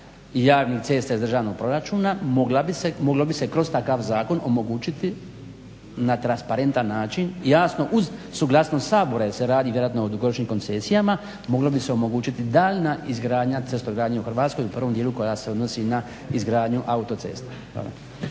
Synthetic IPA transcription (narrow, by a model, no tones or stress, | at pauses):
jaːʋnikt̪se̞st̪ajezd̪r̩ʒaːʋno̞ɡ̚pɾo̞ɾat͡ʃuːnamoɡlabisemo̞ɡlo̞bise̞kɾo̞zt̪akaʋzaːko̞no̞mo̞ɡuːt͡ʃit̪i | nat̪ɾanspaɾe̞nt̪anːaːt͡ʃinjaːsno̞ʔuzsuɡlˠasnosaːbo̞ɾajeɾseɾaːd̪iːʋjeɾoat̪no̞od̪uɡo̞ɾot͡ʃniːmko̞nt̪se̞sijama | mo̞ɡlo̞bise̞o̞mo̞ɡuːt͡ʃit̪id̪aːʎnaizɡɾaːd̪ɲat̪est̪oɡɾaːd̪ɲeuxr̩ʋaːt̪sko̞jupr̩ʋo̞md̪jeːluko̞jase̞o̞d̪no̞sina | izɡɾaːd̪ɲuʔaut̪o̞t̪seːst̪a | a̰